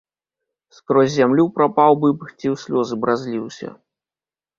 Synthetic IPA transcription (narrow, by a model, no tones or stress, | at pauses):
skɾɔzʲzʲamlʲupɾapawbɨbɨxt͡sʲiwsʲlʲɔzɨbɾazʲlʲiwsʲɐ̰